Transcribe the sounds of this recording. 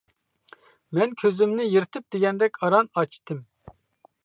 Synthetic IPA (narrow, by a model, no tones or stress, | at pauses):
mɛnkʲʰøzymnɪjiɾt̪ʰɪp̚d̪̥eɡʲɛnd̪ɛkʲɑɾɑnɑt͡ʃʰt̪ʰɨm